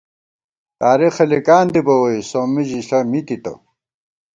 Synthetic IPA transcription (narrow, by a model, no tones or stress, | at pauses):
t̪aːɾixɐlikaːnd̪ibɐwɐjsomiʑiɬɐmit̪it̪ɐ̰